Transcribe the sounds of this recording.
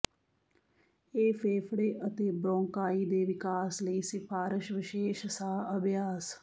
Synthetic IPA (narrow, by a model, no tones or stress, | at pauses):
eːfʰeːfʰɽeːʔət̪eːbɾõːŋkaːiːd̪eːʋɪkaːsləiːsɪpʰaːɾɪʃʋɪʃeːʃsaːəbjaːs